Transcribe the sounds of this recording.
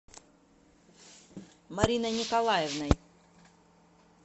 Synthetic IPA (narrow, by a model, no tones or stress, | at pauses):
mɐɾʲinɐnʲɪkɐlˠajɛvnɐj